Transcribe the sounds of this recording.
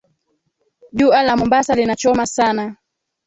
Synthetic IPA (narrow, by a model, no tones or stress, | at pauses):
ʄualamumbasalinat͡ʃɔmasana